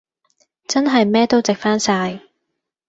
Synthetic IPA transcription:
t͡sɐ˥nɦɐ˨jmɛː˥t̪o˥wt͡sɪ˨k̚faː˥nsaː˧j

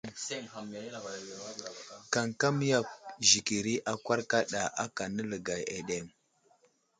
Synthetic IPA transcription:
ka˨ŋka˦m˦ja˦k̚ʒi˨ki˨ɾi˦ʔa˨kwa˦ɾka˦ɗa˨ʔa˦ka˨nə˦lə˨ɡa˨je˨ɗe˦˨m

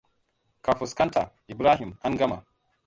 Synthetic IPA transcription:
ka˨fu˨ska˦ntʰa̰˨ | i˨bɾa˦ɦi˨ma˦nɡa˦ma̰˨

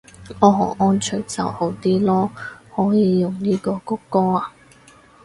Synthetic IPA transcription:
ɔː˨˧ɦɔː˨˩ɔː˥nt͡ʃʰɵ˨˥˩t͡sɐ˨who˨˥wt̪iː˥lɔː˥hɔː˨˥jiː˨˧jʊ˨ŋniː˥kɔː˧kʊ˥kːɔː˥aː˨

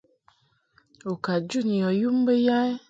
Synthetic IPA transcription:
o˨ka˨d͡ʒu˦˨ɲi˨jɔ˨ju˦m̩˦be˦ja˦e˦

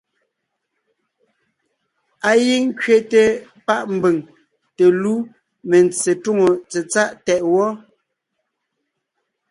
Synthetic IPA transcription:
a˨ji˦ŋ̩˦kɥe˦te˨ | pa˦ʔm̩˨be˨ŋ | te˨lu˦ | me˨nt͡se˨tu˦˨ŋo˨t͡se˨t͡sa˦ʔtɛ˨ʔwɔ˦

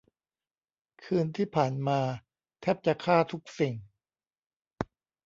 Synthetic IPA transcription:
kʰɯː˧nt̪ʰiː˥˩pʰaː˨˩nmaː˧ | t̪ʰɛ˦˥˩p̚t͡ɕa˧˨˩kʰaː˥˩t̪ʰu˦˥k̚si˧˩ŋ

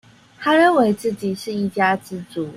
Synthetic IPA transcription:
t̪ʰa˥ɻə˥˨˩nwe˧˥ɪt͡sɹ̩˥˩t͡ɕi˨˩ʂɻ̩˥˧i˥˩t͡ɕja˥t͡sɹ̩˥t͡su˨˩˦

